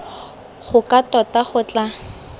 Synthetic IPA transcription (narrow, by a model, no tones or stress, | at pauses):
χʊkatɔtaχʊt͡ɬa